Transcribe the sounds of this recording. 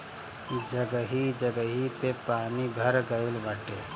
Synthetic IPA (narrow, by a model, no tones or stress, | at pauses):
d͡ʒəɡəɦid͡ʒəɡəɦipepanibʱəɾɡəɪlbəʈːe